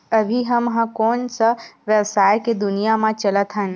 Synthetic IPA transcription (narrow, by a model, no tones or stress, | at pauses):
əbʱiɦəmɦãkonsəʋjəwsaːjked̪ʊnijamãt͡ʃələt̪ʰɦən